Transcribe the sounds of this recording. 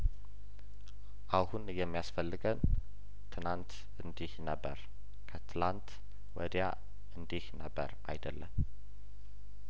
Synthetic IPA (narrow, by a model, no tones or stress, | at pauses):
ʔahunjɛmːijasfəlːɨɡən | t̪ʰɨnant̪ | ɨnd̪ihnəbːə̰ɾ | kʰət̪ʰɨlant̪ | wɔd̪ja̰ | ʔɨnd̪ihnəbːə̰ɾa̰jd̪əlːəm